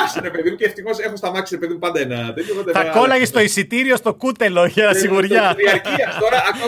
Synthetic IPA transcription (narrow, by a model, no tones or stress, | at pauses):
siɾepeðimuceːft̪ixosexost̪ɐmɐksiɾepeðimupɐnd̪ɐenɐt̪epɐnd̪ɐt̪ɐko̞lɐʝest̪o̞isit̪iɾio̞st̪o̞kut̪e̞loʝɐnɐsiɣuɾʝɐiɐɾciɐst̪oɾɐɐko